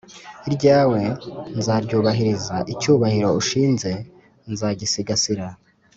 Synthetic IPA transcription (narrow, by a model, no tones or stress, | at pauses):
iɾɟaːwe̞nzaɾɟuːβaɦiɾizaʔicuːβahiɾo̞uʃiːnze̞ | nzaɟisiɡasiɾa